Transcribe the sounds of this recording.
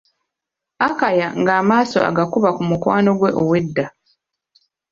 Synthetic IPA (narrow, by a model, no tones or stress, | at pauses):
akajaŋɡaːmaːso̞̰a̰ɡakuβakumukwaːno̞ɡwe̞ʔowe̞dːa